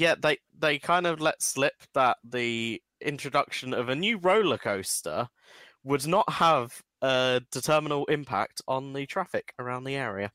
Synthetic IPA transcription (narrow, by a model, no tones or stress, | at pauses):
jæðeɪ | ðeɪkʰãɪ̃ndəvlɛtslɪp̚ðəʔði | ɪ̰̃nt͡ʃɹ̥ədʌkʃə̃nəvənjʉːɹəʊləkʰəʊstə̰ | wədⁿnəʔhəv | əd̥ɪtʰɜːmənəl̩ˠɪ̃mpʰa̰k̚tn̩ðətʰɹ̥afɪkʰəɹãʊ̃nðiɛːɹiə